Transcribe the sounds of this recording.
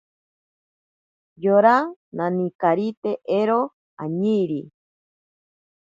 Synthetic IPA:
joɾananĩkaɾit̪eʔeɾo | a̰ɲiɾi

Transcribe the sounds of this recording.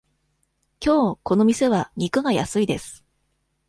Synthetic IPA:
kʲo̞ːko̞no̞mʲise̞βaɲʲikɯ̟ɡaja̰sɨid̪e̞sɨ̥

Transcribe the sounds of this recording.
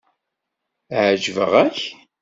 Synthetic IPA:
ʕʒvə̰ʁæç

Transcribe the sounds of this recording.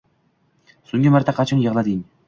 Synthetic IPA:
sʊŋɡʲɪmaɾt̪ʰaqʰɑt͡ʃʰɪnjɤʁlˠad̪ɪŋ

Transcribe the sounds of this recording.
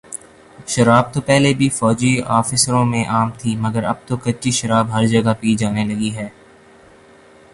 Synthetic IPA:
ʃɐɾaːb̚t̪opɛɦlebʱifɔːd͡ʒiaːfɪsɾõmẽʔaːmt̪ʰimɐɡəɾɐ̰b̚t̪okɐt͡ʃiʃɐɾaːbɦɐɾd͡ʒɐɡapiːd͡ʒaːnelɐɡiɦɛː

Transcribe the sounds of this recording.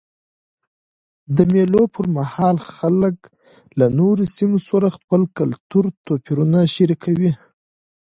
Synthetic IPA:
d̪əmelopʰəɾmahɑlxalək | lanoɾosimosaɾaxpəlkalt̪uɾt̪opiɾunaʃaɾikʰawi

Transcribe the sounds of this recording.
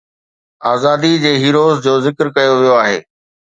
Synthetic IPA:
aːzaːd̪id͡ʑeːɦiːɾoːzd͡ʑoːzɪkɾkɐjoʋijoaːɦḛː

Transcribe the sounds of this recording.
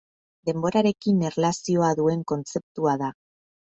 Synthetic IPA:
d̪e̞mbo̞ɾaɾe̞kinerlasio̞aðue̞ŋko̞nt͡se̞p̚t̪uaða

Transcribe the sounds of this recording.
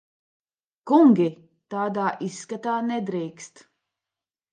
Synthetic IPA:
kuŋɡʲi | t̪aːd̪aːʔisːkat̪aːnɛd̪ɾiːkst̪

